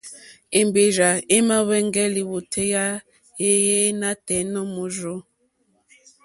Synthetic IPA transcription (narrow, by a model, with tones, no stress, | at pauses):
e˨mbe˨ʒa˨e˦ma˦wɛ˦ŋ˦ɡɛ˦li˨wo˨tʰe˦ja˦ | je˦je˦na˦tɛ˨˦nɔ˦mu˨ʒo˦